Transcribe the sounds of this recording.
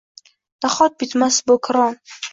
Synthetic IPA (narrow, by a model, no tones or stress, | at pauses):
d̪̥aχɔt̪̚bit̪masbokʰɾɔn